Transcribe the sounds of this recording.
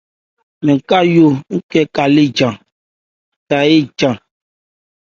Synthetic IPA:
mẽ˨ka˦jo˦ŋ̩˦kɛ˦ka˨le˦d͡ʒã˨ | ta˨je˦d͡ʒã˨

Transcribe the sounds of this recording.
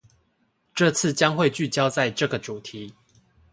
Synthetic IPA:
ʈ͡ʂɤ˥˨t͡sʰɹ̩˥˨t͡ɕjɑ˦ŋxwe˥˨ɪt͡ɕy˥˨t͡ɕjɑ˦ʊt͡sa˥˨ɪʈ͡ʂɤ˥˨˩ɡə˨ʈ͡ʂu˨˩t̪ʰi˨˦

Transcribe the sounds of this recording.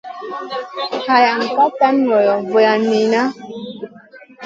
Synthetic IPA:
ha˨ja˨ŋ̩˨ka˦ta˦nːɔ˨jɔ˨vo˨ja˨ni˨na˦

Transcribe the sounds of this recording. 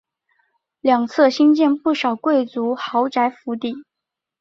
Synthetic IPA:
ljɑ˨˩ŋt͡sʰɤ˥˩ɕi˥nt͡ɕjɛ˥˧npu˥˩ʂɑ˨˩ʊkwe˥˩ɪt͡su˧˥xɑ˧˥ʊʈ͡ʂa˧˥ɪfu˧˥t̪i˥˩

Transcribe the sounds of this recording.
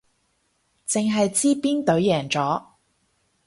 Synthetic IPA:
t͡sɪ˨ŋɦɐ˨jt͡siː˥piː˥nt̪ɵ˨˧˥ɥjɛː˨˩ŋt͡sɔː˨˥

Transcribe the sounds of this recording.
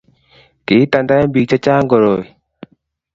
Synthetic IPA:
kɪ˨˦ta˨nda˦ja˦mbi˨k̚t͡ʃa˦t͡ʃa˦ŋɡɔ˨ɾo˨

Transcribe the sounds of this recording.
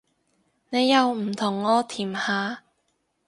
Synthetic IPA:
ne˨˧jːɐ˨˧wm̩˨˩t̪ʰʊ˨˩ŋːɔː˧t̪ʰiː˨˩mhaː˨˧

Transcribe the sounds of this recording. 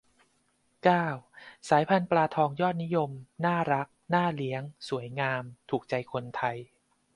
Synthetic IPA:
kaː˥˩wsaː˩˦jpʰa˧nplaː˧t̪ʰɔː˧ŋjɔː˥˩t̪̚ni˦˥jo˧mnaː˥˩ɾa˦˥k̚naː˥˩li˦˥əŋsu˩˦əjŋaː˧mt̪ʰuː˨˩k̚t͡ɕa˧jkʰo˧nt̪ʰa˧j

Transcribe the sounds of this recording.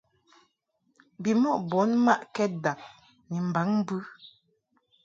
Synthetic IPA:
bi˨mɔ˦˨ʔbɔ˨˦nma˦ʔkɛ˦t̚da˨k̚ | ni˨m̩˨ba˨˦ŋ˦bʉ˦

